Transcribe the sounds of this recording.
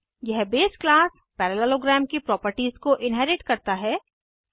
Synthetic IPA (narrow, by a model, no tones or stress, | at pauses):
jɛɦbeːsklaːs | pɛːɾɛlɛloɡɾɛːmkepɾɔːpəɾʈiːzkoʔɪnɦɛːɾɪʈkɐɾt̪aɦɛː